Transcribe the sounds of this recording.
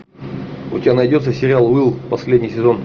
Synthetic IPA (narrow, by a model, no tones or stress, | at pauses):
ʊ̰tʲɪbʲanɐjdʲo̞t̪səsʲɪɾʲɪalˠɨlˠpɐsʲlʲedʲnʲɪjsʲɪzo̞n